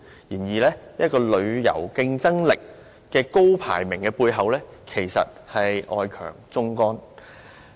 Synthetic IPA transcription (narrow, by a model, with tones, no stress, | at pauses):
jiː˨˩njiː˨lɛː˥jɐ˥t̚kɔː˧lɵ˨˧ɥjɐ̰˨˩wkɪ˧ŋt͡sɐ˥ŋlɪ˨k̚ː | ɛː˧ko˥wpʰa̰ː˨˩jmɪ˨˩ŋkɛː˧puː˧jɦɐ˨wlɛː˥kʰe˨˩jsɐ̰˨t̚hɐ˨jɔ̰ː˧jkʰœ̰ː˨˩ŋt͡sʊ˥ŋkɔː˥n